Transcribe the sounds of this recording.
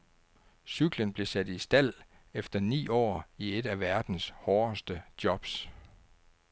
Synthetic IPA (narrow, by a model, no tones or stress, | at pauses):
syɡ̥lənb̥le̝sæd̥isd̥æl̰ | efd̥ɐnḭːɒ̰ːied̥æʋæɐd̥n̩shɒːsd̥əd̥jɒ̽b̥s